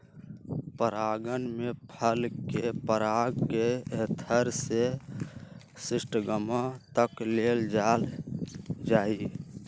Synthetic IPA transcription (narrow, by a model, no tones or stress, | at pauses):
pəɾaɡənmepʰəlkepəɾaɡkeet̪ʰəɾse | sɪsʈɡəmãt̪əkleld͡ʒal | d͡ʒaːi